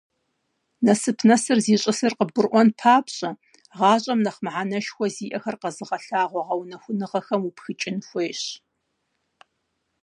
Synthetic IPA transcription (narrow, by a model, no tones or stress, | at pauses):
nɐsɨpʰnɐsɨrziːɕʼɪsɨrqəb̚ɡʷʊrʔʷɔnpʰaːpɕʼɐ | ʁɑːɕʼɐmnɐχmʕanɐʃxʷɔziːʔɐxɐrqɐzɨʁɐɬaːʁʷɔʁɐwnɐxʷʊnɨʁɐxɐmupxɨt͡ʃʼɪnxʷeːɕ